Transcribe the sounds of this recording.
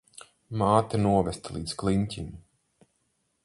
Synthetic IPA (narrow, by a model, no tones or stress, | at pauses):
maːt̪anuɔvɛst̪alˠḭːd̪sklˠiɲcʲiɲu